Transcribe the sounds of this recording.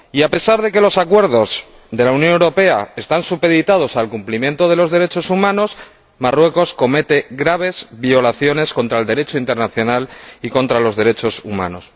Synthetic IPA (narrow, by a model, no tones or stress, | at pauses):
iape̞saɾð̞e̞ke̞lo̞sakwe̞ɾðo̞z | ðe̞launjonewɾo̞pe̞ae̞st̪ansupe̞ðit̪að̞o̞salkumplimjẽ̞nt̪oð̞e̞lo̞zðe̞ɾe̞t͡ʃo̞sumãno̞s | marwe̞ko̞sko̞me̞t̪e̞ɣɾaβ̞e̞zβio̞laθjo̞ne̞sko̞nt̪ɾaeld̪e̞ɾe̞t͡ʃo̞int̪eɾnaθjo̞naliko̞nt̪ɾalo̞zðe̞ɾe̞t͡ʃo̞suma̰no̞s